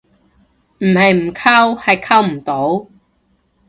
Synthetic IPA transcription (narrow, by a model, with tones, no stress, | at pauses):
m̩˨˩hɐ˨˧jm̩˨˩kʰaː˥whɐ˨jkʰaː˥wm̩˨˩t̪o˨˥w